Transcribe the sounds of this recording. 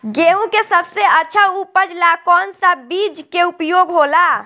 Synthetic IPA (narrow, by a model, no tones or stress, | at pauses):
ɡeɦũkesəbseətːʃʰaupəd͡ʒlakɔnsəbid͡ʒkeupjoɡɦola